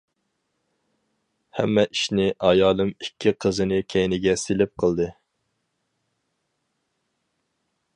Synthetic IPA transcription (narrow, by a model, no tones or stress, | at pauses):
hɛ̰mːɛʔiʃnɪʔɑjɑːlˠɨmikʲʰːiqʰəzɨnɨkʲʰɛjnɪɡʲɛsɪlɪp̚qʰəlˠd̪ɨ